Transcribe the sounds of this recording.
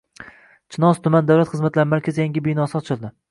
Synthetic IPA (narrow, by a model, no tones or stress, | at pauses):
t͡ʃʰɪnɒst̪ʰʊmand̪awlat̪χɨzmat̪laɾɪmaɾkʲazɪjaŋɡʲɪbijnɒsɪɒt͡ʃʰɪlˠd̪ɪ